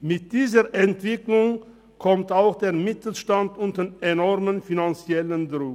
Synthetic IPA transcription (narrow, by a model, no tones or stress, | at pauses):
mɪt̚d̥iːzəʔɛntv̥ɪklʊŋ | kʰɔmtaʊxd̥eːɐmɪtl̩ʃtantʊntdənenɔʁmənfinant͡sjɛləndʁʊ